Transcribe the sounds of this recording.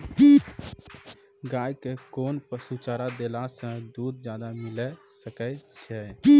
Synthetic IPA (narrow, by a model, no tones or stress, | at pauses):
ɡaːjkekoːnpəsut͡ʃaːɾad̪eːlasə̃d̪uːd̪d͡ʒjaːd̪amɪlɛ | səkɛt͡ʃʰɛ